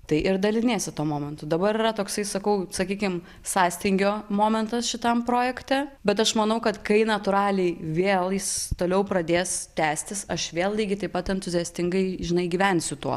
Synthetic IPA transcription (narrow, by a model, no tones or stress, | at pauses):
t̪ɐɪʔɪɾd̪ɐlʲɪnʲeːsʲɪt̪uɔmoːmʲɛnt̪ʊd̪ɐbɐɾiːɾɐt̪oːksɐɪsɐkɐʊsɐkʲiːkʲɪm | sɑːsʲt̪ʲɪŋʲɡʲoːmoːmʲɛnt̪ɐsʃʲɪt̪ɐmpɾoːjɛkt̪ʲɛbʲɛt̪ɐʃmɐnɐʊkɐt̪kɐɪnɐt̪ʊɾɑːlʲɛɪʋʲeːlˠjɪst̪oːlʲɛʊpɾɐd̪ʲeːst̪ʲæːsʲt̪ʲɪsɐʃʋʲeːlˠlʲiːɡʲɪt̪ɐɪpɐt̪ɛnt̪ʊzʲijɛsʲt̪ʲɪŋɡɐɪʒʲɪnɐɪɡʲiːʋʲɛnʲsʲʊt̪uɔ